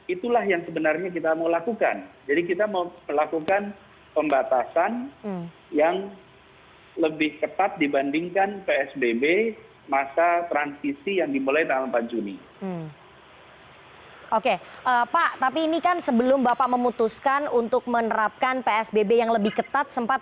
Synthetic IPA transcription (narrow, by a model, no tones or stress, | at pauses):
it̪ulahjaŋsəbənarɲak̬it̪aməwlakuka̰nd͡ʒadikit̪amaməlakukan | pəmbat̪asan | jaŋ | ləbɪhkət̪at̪̚dibandɪŋkanpeɛsbebe | masat̪ɾansisijaŋdimulajt̪aŋalmpand͡ʒuni | ʔokeʔəpaʔt̪apiːnikansəbəlʊmbapaʔməmut̪uskanunt̪ʊk̚mənəɾap̚kanpeɛsbebejaŋləbɪhkət̪at̪̚səmpat̪̚